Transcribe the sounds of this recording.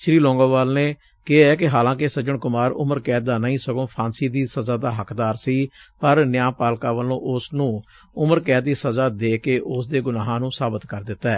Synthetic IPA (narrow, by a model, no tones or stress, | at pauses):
ʃɾiːlɔ̃ːŋɡoːʋaːlneː | kɪaːɛːkɪɦaːlãːkɪsəd͡ʒəɳkʊmaːɾʊ̰məɾkɛːt̪̚d̪aːnəĩːsəɡõːpʰaːnsiːd̪iːsəzaːd̪aːɦəkd̪aːɾsiːpəɾnɪjaːpaːlkaːʋəlõ̰ːʔʊsnũː | ʊməɾkɛːd̪̚d̪iːsəzaːd̪eːkeːʔʊsd̪eːɡʊnaːɦãːnũːsaːbət̪kəɾd̪ɪt̪ːaɛː